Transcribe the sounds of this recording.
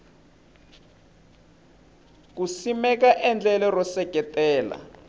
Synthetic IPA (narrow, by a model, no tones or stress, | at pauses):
k̬usimɛk̬aʔɛnd͡ɮɛlɛrɔsɛɡ̥ʱɛtʼɛːla̰